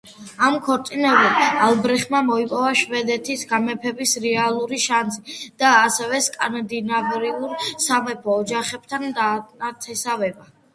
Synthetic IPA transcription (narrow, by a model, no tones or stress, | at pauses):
amkʰɔɾt̪ʼinɛbilalˠbɾɛχmamɔipʼɔvaʃvɛd̪ɛt̪ʰisɡamɛpʰɛbisɾɛalˠuɾiʃansid̪̥aːsɛvɛskʼanad̪inavɾilˠuɾsamɛpʰɔːd͡ʒaχɛb̥t̪ʰand̪aat̪ʰɛsavɛba